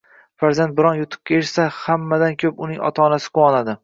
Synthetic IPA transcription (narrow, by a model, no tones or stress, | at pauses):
faɾzant̪̚bɪɾɒnjʊt̪ʰʊ̥p̚kʲʰaeʃsahamːad̪ankʲʰɵpʊnɪŋɒ̰t̪ʰaːnasɪ̥qʰowɒnad̪ɪ